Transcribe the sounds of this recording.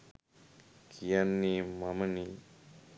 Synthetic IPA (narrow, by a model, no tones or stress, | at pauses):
kʰijanːimamɐni